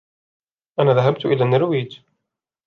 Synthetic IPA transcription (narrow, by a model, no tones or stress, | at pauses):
ʔanaːðaɦabt̪ʔɪlaːnːaɾwiːd͡ʒ